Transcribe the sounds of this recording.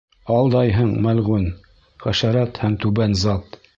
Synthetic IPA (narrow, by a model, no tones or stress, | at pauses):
ɑlˠd̪ɑjɦɤɴmælʁʉn | χæʃæɾæt̪hæmt̪ʉbænzɑt̪